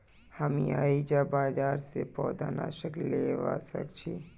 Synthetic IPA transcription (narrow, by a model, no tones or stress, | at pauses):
həmiaːid͡ʒaːbaːd͡ʒaːɾsepɔːd̪aːna̰ːʃəkleːʋa̰ːsə̰kt͡ʃʰi